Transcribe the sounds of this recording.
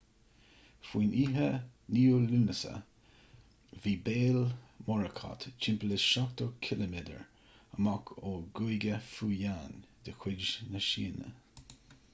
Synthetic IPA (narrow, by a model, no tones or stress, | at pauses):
fwiːnʔiːɦəniːoluːnəsə̰ | viːbeːlmɔɹəkʰɑ̰t̪t͡ʃʰɪmpəlɪsʃat̪okʰɪləmed̪ə̰ɹ | əmakʰoːɡujɡəfuːjaːnd̪̥əkʰw̥ɪdd͡ʒnəʃiːnə̰